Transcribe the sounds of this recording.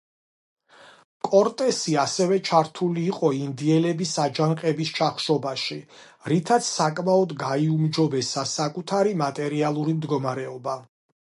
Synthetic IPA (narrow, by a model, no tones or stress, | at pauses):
kʼɔɾt̪ʼɛsiasɛvɛt͡ʃʰaɾt̪ʰuliːqʼɔind̪iɛlɛbisad͡ʒanqʼɛbist͡ʃʰaχʃɔbaʃi | ɾit̪ʰat̪sʰsakʼmaɔd̪ɡaiumd͡ʒɔbɛsasakʼut̪ʰaɾimat̪ʼɛɾialˠuɾimd̪ɡɔmaɾɛɔba